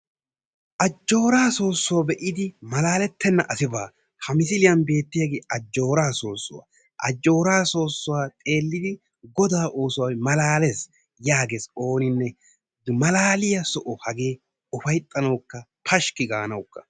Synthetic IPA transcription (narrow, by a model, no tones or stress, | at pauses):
ʔɐd͡ʒːo̞ːɾaːso̞ːsːʊwɐbɛʔɪd̪ɪmɐlaːlɛt̪ːɛnːɐʔɐsɪbaː | hɐmɪsɪlɪjɐnbe̞ːt̪ːɪjɐɡeːʔɐd͡ʒːo̞ːɾaːso̞ːsːʊ̰wa̰ | ʔɐ̰d͡ʒːo̞ːɾaːso̞ːsːʊwaːt̪ʼe̞ːlːɪd̪ɪ | ɡɔd̪aːʔo̞ːsʊwaːmɐlaːlɛs | jaːɡeːsoːnɪnːɛ | mɐlaːlɪjɐsɔʔɔhɐɡe̞ː | ʊfɐjt̪ʼːɐnowkːɐpʰɐʃkɪɡaːnɐwkːɐ̥